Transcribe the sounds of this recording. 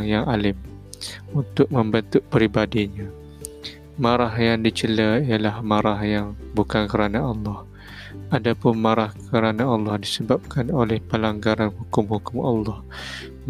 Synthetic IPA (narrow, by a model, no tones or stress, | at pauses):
ŋjaŋalɪm | unt̪ʊk̚mə̃mbənt̪ʊʔpəɾibadiɲa | maɾahjaŋdit͡ʃələijalahmaɾahjaŋbukankəɾanaɑlːɑh | adapʊnmaɾahkəɾanaɑlːɑhdisəbap̚kanolɛhpəlaŋɡaɾanhukʊmhukʊmɑlːɑh